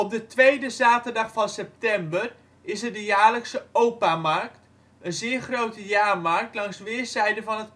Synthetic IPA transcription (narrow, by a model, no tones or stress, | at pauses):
ɔp̚dətʋejdəzaːtəɹdɑχfɑnsɛp̚tɛmbər | ɪsəɹdəjaːɹləksəowpamɑɹkt | ənzɪːɹχrowtəjaːɹmɑɹk̚tlɑŋsʋɪːɹzɛjdəvɑnɦət